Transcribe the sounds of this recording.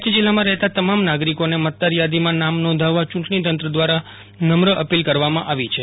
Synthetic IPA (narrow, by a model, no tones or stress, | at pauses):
t̪əd͡ʒilːamãɾɛɦt̪at̪əmamnaɡɾikonemət̪̚d̪aɾjad̪imãnamnɔ̃d̪ʱaʋat͡ʃũʈɳit̪ənt̪ɾəd̪ʋaɾa | nəmɾəʔəpilkəɾʋamãʔaʋit͡ʃʰe